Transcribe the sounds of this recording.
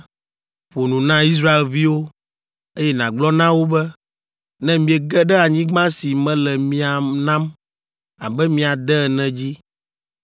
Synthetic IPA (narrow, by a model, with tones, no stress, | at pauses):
ɸo˨nũ˨nã˦i˦s̬ɾa˦e˨lvi˦wo˦ | e˦jɛ˦nã˨ɡ͡blɔ˦nã˦wo˦bɛ˦ | nɛ̃˦mĩ˨ɛ˨ɡɛ˦ɖɛ˦a˨ɲĩ˦ɡ͡bã˦si˨mɛ̃˦lɛ˨mĩ˦a˨nã˦m | a˨bɛ˦mĩ˨a˨d̪ɛ˦ɛ˨nɛ̃˨d͡ʑi˦